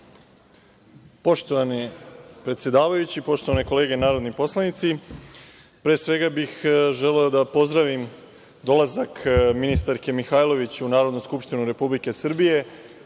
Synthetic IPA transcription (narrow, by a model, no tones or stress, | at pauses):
poʃt̪oʋanipɾe̞t̪sjed̪aːʋajut͡ɕipo̞ʃt̪o̞ʋaneko̞le̞ːɡe̞naːɾo̞d̪nipo̞slˠanit̪si | pɾeːsʋe̞ɡabixʒe̞leod̪apo̞zd̪ɾaʋim | d̪o̞lˠazakminist̪aɾke̞mixajlˠo̞ʋit͡ɕunaːɾod̪nuskupʃt̪inuɾe̞publike̞sr̩bije̞